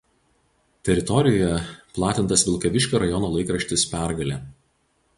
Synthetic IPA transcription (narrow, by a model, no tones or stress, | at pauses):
t̪ʲɛɾʲɪt̪ɔɾʲɪjɔjɛplˠɑːt̪ʲɪnt̪ɐsʋʲɪlˠkɐʋʲɪʃʲkʲoːɾɐjɔnoːlˠɐɪkɾɐʃʲt̪ʲɪspʲæˑɾɡɐlʲeː